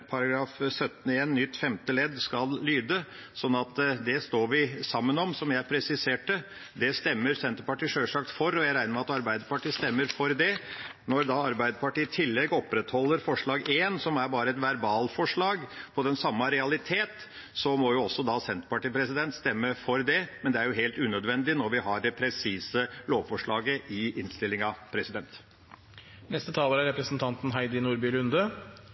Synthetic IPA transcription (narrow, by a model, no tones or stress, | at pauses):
pʰɑɾɑɡɾɑːfsœt̪ːən̩eːnnʏt̪ːfɛmt̪əlɛd̪skɑlːyːd̪ə | sɔnːɑt̪d̪ɛst̪oːɾʋɪsɑmːənɔmsɔmjæɪpʰɾɛsɪseːʈə | d̪ɛst̪ɛmːəɾsɛnt̪əpɑʈiːʂøːʂɑk̚t̪fɔɾɔjæɪɾæɪəɾmɛɑt̪ɑɾbæɪd̪əɾpɑʈiːst̪ɛmːəɾfɔɾd̪ɛnɔɾd̪ɑɑɾbæɪd̪əpɑʈiːt̪ʰɪlːɛɡɔpɾɛt̪hɔlːəɾfɔʂɭɑːɡeːnsɔmæɾbɑːɾəɛt̪ʋæɾbɑːlfɔʂɭɑːɡpʰɔd̪ɛnsɑmːɑɾɛɑlɪt̪ʰeːt̪ | sɔmɔjʊɔsːɔd̪ɑsɛnt̪pɑʈiːpʰɾɛsɪd̪ɛnt̪st̪ɛmːəfɔɾd̪ɛmɛnd̪ɛæɾjʊɦeːlt̪ʉːnœd̪ʋɛnd̪ɪnɔɾʋɪɦɑɖɛpʰɾɛsiːsəloːʋfɔʂɭɑːɡəʔɪɪnst̪ɪlːɪŋɑʋpʰɾɛsɪd̪ɛnt̪ | nɛst̪ət̪ʰɑːləɾæɾɛpɾəsn̩t̪ʰɑnt̪n̩ɦæɪd̪ɪnuːɾbiːlʉnd̪ə